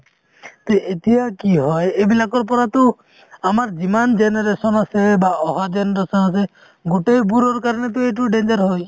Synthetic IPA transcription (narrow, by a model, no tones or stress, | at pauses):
t̪oʔet̪iakiɦɔjebilakɔɾp̬ɔɾat̪o | amaɾd͡ʒimand͡ʒeneɾesɔnasebaɔɦad͡ʒenɔɾesɔnas̬e | ɡoʈejbuɾɔɾkaɾɔnet̪̬oeʈ̬uɖend͡ʒaɾɦoj